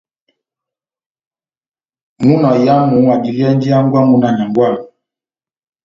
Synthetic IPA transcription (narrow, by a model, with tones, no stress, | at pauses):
mu˦nɔ˨ja˦mu˨˦ŋwa˨di˨li˦ɛ˦n˦d͡ʒi˦a˦ŋɡwa˦mu˦na˨na˨ŋɡwa˦˨